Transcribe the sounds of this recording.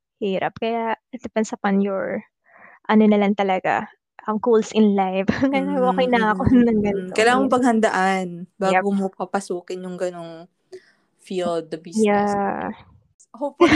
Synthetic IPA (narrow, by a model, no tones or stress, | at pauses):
hiːɾɐ̰p̚kɐjad̪ɛpɛnsɐpɐnjoɹ | ʔɐnonɐlɐŋt̪ɐlɐɡa̰ | ʔɐŋkulsʔɪnlajvŋɐaʔoːkɛjnɐɐkonɐŋɡɐnkokɐjlaːŋɐmpɐɡ̚hɐnd̪ɐʔanbaːɡomokɐpɐsuːkɪnjʊŋɡɐnoŋ | fild̪̚ɐbiːja | hop